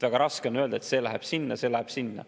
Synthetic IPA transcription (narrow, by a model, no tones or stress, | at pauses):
væɡ̥ɑɾɑskeonø̞ld̪ɑet̪se̞ːlæɦeb̥sinːɑse̞ːlæheb̥sinːɑ̰